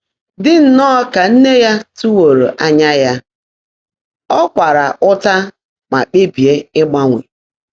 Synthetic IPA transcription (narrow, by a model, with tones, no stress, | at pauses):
dɪ˦n̩˨nɔː˦ka˨n̩˦ne˦ja˦tu˦wo˨ɾo̰˨ʔa˦ɲa˦ja˦ | ɔ˦kʷa˨ɾa˨ʔʊ˦ta˦ | ma̰˨k͡pe˦bi˨e˦ɪ˦ɡ͡ba˦ŋʷḛ˨